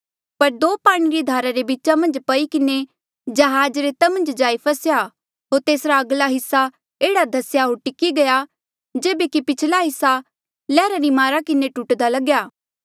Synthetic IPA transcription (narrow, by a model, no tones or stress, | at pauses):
pɐɾd̪oːpaːɽ̃iɾid̪ʱaːɾaɾebiːʃamɐ̃nd͡ʒpɐikɪne | d͡ʒɐɦaːd͡ʒɾet̪ɐmɐ̃nd͡ʒd͡ʒaːipʰɐsja | ɦoːɾt̪eːsɾaɐɡlaɦɪsːa | eːɽad̪ʱɐsjaɦoːɾʈɪkːiɡɐja | d͡ʒeːbekipɪt͡ʃʰlaɦɪsːa | lɛːɾaɾimaːɾakɪneʈuːʈd̪alɐɡjaː